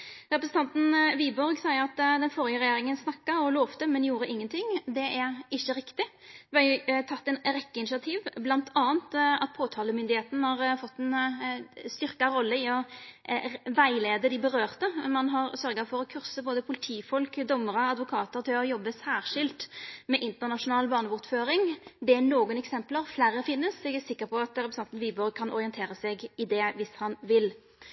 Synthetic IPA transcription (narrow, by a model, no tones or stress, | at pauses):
ʁɛpɾsənt̪ɑnt̪n̩ʋiːbɔɾɡsɑɪəɾɑt̪d̪ɛnfɔɾɪəɾɛjeːɾɪŋənsnɑkːɑɔlɔːʋt̪əmɛnjuːɾəʔɪŋːənt̪ʰɪŋd̪ɛʔæɾɪçːəɾɪkt̪ɪ | ʋæɪt̪ʰɑt̪ːɛnɾɛkːəɪnɪʃɪɑt̪ʰiːʋblɑnt̪ʰɑːənt̪ɑt̪̚pʰoːt̪ʰɑːləmʏnd̪ɪheːt̪nəhɑːɾfɔt̪ːɛn | st̪ʏʁkɑɾɔlːəɪɔ | ʋæɪleːd̪əd̪ɪbəɾøːʁt̪əmɑnɦɑʁsœɾɡɑfɔɾɔkʰʉʁsəboːd̪əpʰʊlɪt̪ʰiːfɔlkd̪ɔmːəʁəɑd̪ʋʊkʰɑːt̪əʁt̪ʰɪlɔjɔbːəsæːʁʂɪlt̪mɛʔɪnt̪əʁnɑʂʊnɑːlbɑːʁnəʋʊʁt̪føːɾɪŋd̪ɛænoːɡʊnɛksɛmpləɾflæːɾːəfɪnːəsɛɡæsɪkːəɾpʰɔɑt̪ɾɛpɾɛsɛnt̪n̩ʋiːbɔʁkʰɑnʔɔ̰ɾɪɛnt̪ʰeːɾəsɛɡɪd̪ɛʋɪshɑnʋɪl